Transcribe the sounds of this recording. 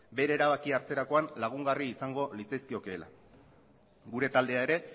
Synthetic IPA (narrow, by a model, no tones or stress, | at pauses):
be̞ɾe̞ːɾaβakiaɾt͡se̞ɾako̞anlaɣ̞uŋɡariːsaŋɡo̞lit͡seskio̞keːla̰ | ɡuɾe̞t̪ald̪e̞ae̞ɾe̞